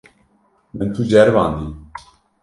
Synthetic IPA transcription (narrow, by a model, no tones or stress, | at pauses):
mɨnt̪ʰud͡ʒɛɾva̰ːnd̪i